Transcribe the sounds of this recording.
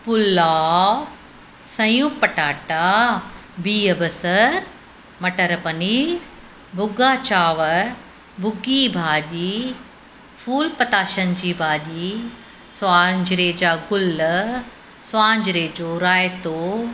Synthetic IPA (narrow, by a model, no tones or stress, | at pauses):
pʊlaː | sɐ̃jupɐʈaːʈa | biːɐbɐsɐɾ | mɐʈɐɾpɐniːɾ | bʱʊɡaːt͡ɕaːʋəɾ | bʱʊɡiːbʱaːʄiː | fʰuːlpɐt̪aːʃənd͡ʑiːbʱaːʄiː | swaːɲd͡ʑɾeːd͡ʑaːɡʊl | sʊwaːɲd͡ʑɾeːd͡ʑoːɾaːjt̪oː